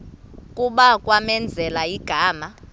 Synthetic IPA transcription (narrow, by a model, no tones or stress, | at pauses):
kʼuɓakʼwamɛnd͡zʱɛlaiɡ̥ʱaːma